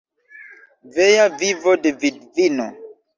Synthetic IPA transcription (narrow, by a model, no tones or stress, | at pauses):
vejavivodevidvino̰